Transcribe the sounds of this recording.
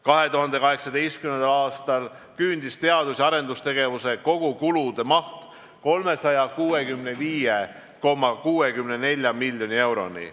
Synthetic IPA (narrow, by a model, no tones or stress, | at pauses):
kɑɦe̞t̪uɦɑnd̪̥e̞kɑɦe̞ksɑd̪e̞jst̪̚kymnend̪ɑlɑːst̪ɑl | kynd̪ist̪e̞ɑd̪usʲɑɾe̞nd̪ust̪e̞ɡ̥e̞vuse̞ko̞ɡ̥ukulud̪̥e̞mɑht̪ | ko̞lme̞sɑjɑkuːe̞kymneviːje | ko̞mːɑkuːe̞kymne̞ne̞lʲjɑmilːjo̞nʲie̞wɾo̞̰nḭ